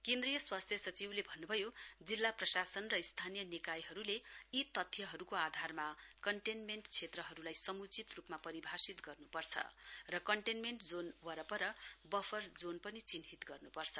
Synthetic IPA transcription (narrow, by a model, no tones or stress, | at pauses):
kẽnd̪rijʌswast̪ʰjʌsʌt͡siwlebʱʌnːubʱʌjod͡zilːaprʌsasʌnrʌist̪ʰanijʌnikajɦʌɾuleit̪ʌt̪ʰːjʌɦʌɾukoad̪ʱarmakʌɳʈenmeɳʈt͡sʰet̪rʌɦʌɾulajsʌmut͡sit̪rupmapʌɾibʱasit̪ɡʌrnupʌrt͡sʰʌ̰rʌkʌɳʈenmeɳʈd͡zonwʌɾʌpʌɾʌbʌfʰʌrd͡zonpʌnit͡sinɦit̪ɡʌrnupʌrt͡sʰʌ